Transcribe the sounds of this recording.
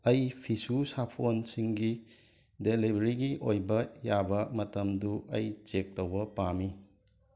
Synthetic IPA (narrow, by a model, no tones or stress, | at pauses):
ɐjpʰisusapʰonsiŋɡi | delibʱɾiɡiʔojbɐjabɐmɐtɐmduʔɐjt͡ʃek̚towbɐpami